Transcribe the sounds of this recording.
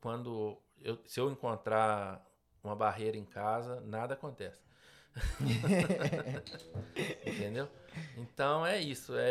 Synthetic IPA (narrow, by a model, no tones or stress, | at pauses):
kwɐ̃nd̪ʊ | ewsɪewẽkõnt̪ɾa | ũmɐbaɦejɾɐẽkazɐnad̪ɐakõnt̪ɛsɪ̥ | ẽt̪ẽnd̪ewẽnt̪ɐ̃w̃ɛisʊɛ